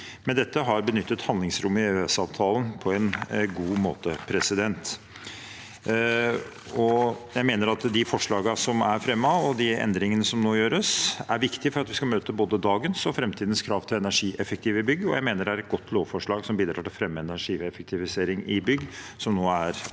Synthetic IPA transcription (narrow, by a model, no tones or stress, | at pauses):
mɛnd̪ɛt̪ːəɦɑɾbənʏt̪ːət̪hɑnd̪lɪŋsɾʊmːɪøsɑːʋt̪ʰɑːlənpʰɔɛnɡuːmo̰ːt̪əpʰɾɛsɪd̪ɛnt̪ | ɔjæɪmeːnəɾɑt̪d̪ɪfɔʂɭɑːɡɑsɔmæɾfɾɛmːɑɔd̪ɪɛ̰nd̪ɾɪŋənəsɔmnoːjøːɾəsæɾʋɪkt̪ɪfɔɾɑt̪ʋɪskɑlmøːt̪əboːd̪əd̪ɑːɡənsɔfɾɛmt̪ʰiːd̪ənskʰɾɑːʋt̪ʰɪlɛnæʂiːʔɛfək̚t̪ʰɪːʋəɪbʏɡːəɔ̰jæɪmeːnəɖɛæɾɛt̪ɡɔt̪ʰːloːʋfɔʂɭɑːɡsɔmbiːd̪ɾɑ̰ːʈɪlfɾɛmːəɛnæʂiːɛfək̚t̪ʰɪʋɪseːɾɪŋɪbʏɡsɔmnoːæɾ